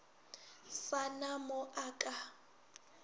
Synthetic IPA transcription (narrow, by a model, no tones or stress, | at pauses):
sanamʊʔakʼa